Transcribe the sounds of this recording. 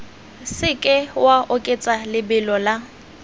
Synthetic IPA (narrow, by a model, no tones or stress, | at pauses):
sɪkʼɪwaʔʊkʼet͡sʼalɪbɪlɔla